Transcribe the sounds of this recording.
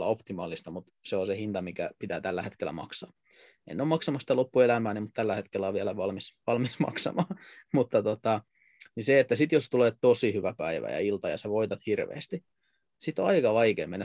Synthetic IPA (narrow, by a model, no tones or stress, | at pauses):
lːɑ̰opt̪imɑːlist̪ɑmut̪seosehint̪ɑmikæ̰pit̪æ̰ːt̪ælːæhet̪kelːˑæ̰mɑ̰ksɑː | ḛnːoːmɑksɑmɑsit̪ælopːuelæmæːnimut̪t̪ælːæhet̪kelːæoʋiælæʋɑlmisʋɑlmismɑ̰ksɑ̰mɑːmut̪ːɑt̪ot̪ɑ | niseet̪ːæsit̪jost̪uleːtt̪osihyʋæpæiʋæ̰jɑ̰ilt̪ɑjɑ̰seʋoit̪ɑt̪hirʋḛːst̪i | sit̪ːoɑikɑʋɑikḛːmenːæ